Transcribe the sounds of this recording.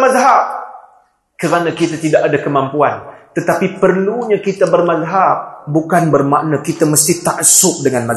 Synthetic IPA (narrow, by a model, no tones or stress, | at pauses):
mazɦap̚ | kəɾanãkit̪at̪idaʔadakəmampuant̪ət̪apipərluɲãkit̪abərmazɦap̚bukanbərmaʔnakit̪aməst̪it̪aʔsʊk̚dəŋanma